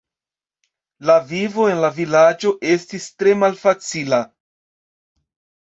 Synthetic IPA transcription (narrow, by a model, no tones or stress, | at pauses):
lavivo̞e̞nlavilad͡ʒo̞ʔe̞stistɾe̞malfat͡sila